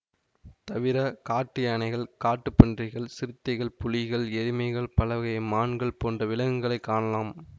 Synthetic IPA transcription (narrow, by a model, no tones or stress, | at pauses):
t̪ɐʋɪɾɐkaːʈːɪjaːnɐɪɣɐɭkaːʈːɯpːɛndrɪɣɐɭsɪɾɯt̪ːɐɪɣɐɭpʊlɪɣɐɭɛɾɪmɐɪɣɐɭpɐlɐʋɣɐjmaːɳɡɐɭpoːndrɐʋɪlɐŋɯŋɡɐɭɐɪkːaːɳɐlaːm